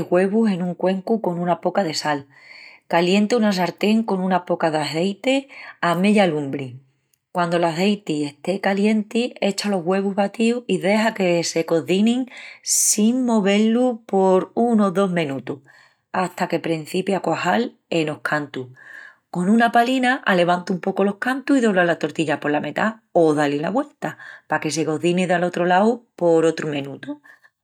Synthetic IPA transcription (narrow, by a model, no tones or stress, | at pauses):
ɣwe̞βuse̞nũŋkwe̞ŋkuko̞nũnapo̞kaðe̞sal | kalje̞nt̪eunas̬aɾt̪e̞ŋko̞nũnapo̞kaðaθe̞jt̪e̞ameʎalũmbɾi | kwand̪o̞laθe̞jt̪ie̞ht̪e̞kalje̞nt̪ie̞t͡ʃalo̞ɦɣwe̞βuɦβat̪iuiðe̞ɦake̞se̞ko̞ðinĩŋsiŋmo̞βe̞lupo̞ɾuno̞ðo̞ɦmẽ̞nut̪u | aht̪ake̞pɾen̟θipjakohal | e̞no̞hkʰant̪u | ko̞nũnapalinaʔale̞β̞ant̪umpo̞ko̞lo̞hkant̪uiðo̞βlalat̪o̞ɾt̪iʎapolame̞t̪a | o̞ðalelaβwe̞lt̪apake̞s̬e̞ɣo̞ðiniðalo̞t̪ɾolawpo̞ɾo̞t̪ɾumẽ̞nut̪u